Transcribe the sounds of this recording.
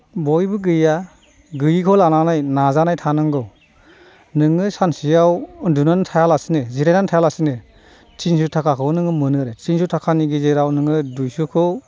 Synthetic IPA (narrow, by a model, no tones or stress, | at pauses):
bɔjbɯɡɯja | ɡɯjikʰɔlananajnazanajtʰanɯŋɡɯw | nɯŋɯsansijawɯndunantʰajalasineziɾajnantʰajalasine | t͡ʃʰinsutʰakʰakʰɔwnɯŋɯmɯnɯɾetʰinsutʰakʰaniɡizeɾawnɯŋɯdujsukʰɔ